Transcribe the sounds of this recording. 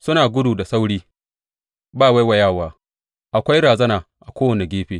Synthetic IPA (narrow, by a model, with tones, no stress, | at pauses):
sʊ˦naː˨ɡʷʊ˦duː˨da˨sa˦wɽiː˦ | baː˦˨wa˦jwa˨jaː˦˨waː˦ | ʔa˨kʷa˦jɽaː˨zɐ˦naː˨ʔa˨kʷoː˦wɐ˨ne˨ɡʲeː˦ɸeː˦